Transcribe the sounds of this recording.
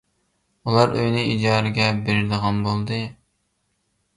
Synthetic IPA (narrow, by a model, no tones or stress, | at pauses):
ulˠɑɾøjnɨid͡ʒɑːɾɨɡʲɛbeɾɪɾd̪əʁɑnbolˠd̪ɨ